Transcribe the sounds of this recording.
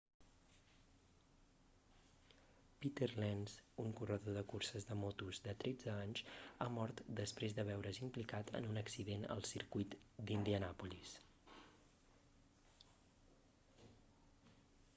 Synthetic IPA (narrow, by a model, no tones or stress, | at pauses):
pit̪eɾlɛnzuŋkurəðoðəkursəzðəmɔt̪uzd̪ət̪ɾɛd͡zəaɲzamɔɾt̪d̪əspɾezðəβ̞ɛwɾəzimplikat̪ʰə̰nunəksiðenə̰lˠsiɾkujt̪d̪ind̪iənapulis